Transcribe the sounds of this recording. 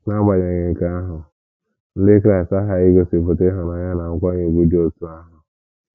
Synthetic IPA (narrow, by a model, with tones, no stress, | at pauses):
na˦ɡ͡ba˨ɲe˨ɲɪ˨ŋ̩˨ka˦a˦ɦʊ˨ | n̩˦lɪ˦kɾa˨ɪ˨sa˦ɦa˨ɪ˦ɡo˦si˨pʊ˨tɪ˦ɦa˨na˨ɲa˦na˨ŋ̩˦kʷa˦ɲe˨ɡʷu˦di˦o˦tu˦a˦ɦʊ˨